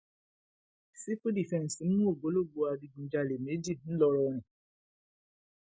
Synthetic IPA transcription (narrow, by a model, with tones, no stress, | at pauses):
si˦fu˦di˨fɛ̃˦˨n˨si˨˦mũ˦o˦˨ɡ͡bo˨˦lo˦˨ɡ͡bo˨˦a˨bi˧˦ɡũ˨˦d͡ʒa˧˨le˨me˨˦d͡ʒi˦˨n̩˦lɔ˧ɾɔ˨˦nɛ̃˨